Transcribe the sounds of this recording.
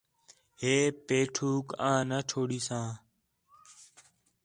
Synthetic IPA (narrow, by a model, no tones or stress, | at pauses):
ɦeːpeːʈʰuːkãːnəʈʰoːɽiːsãː